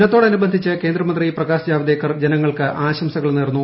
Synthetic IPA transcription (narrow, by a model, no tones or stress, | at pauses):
nɐt̪ːoɽɐnubɐnd̪ʱit͡ɕːɨke̞ːnd̪rɐmɐnd̪riprɐɣaːsd͡ʑaːʋɐd̪eːkːɐrd͡ʑenɐŋːɐɭkɨʔaːɕɐmsɐɣɐɭneːrnːu